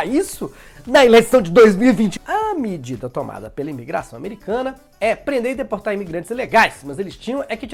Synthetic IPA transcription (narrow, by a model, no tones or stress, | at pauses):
isʊ | nɐelejsɐ̃w̃d͡ʒɪd̪ojzmiwivĩt͡ʃɪ̥ɐmed͡ʒid̪ɐt̪omʔa̰d̪ɐpelɐimiɡɾa̰sɐ̃w̃ameɾikɐ̃nɐ | ɛpɾẽnd̪eɾɪd̪epoɾt̪aɾimiɡɾɐ̃nt͡ʃɪzileɡajsmɐzelɪst͡ʃĩɲɐ̃w̃ɛkɪt͡ʃ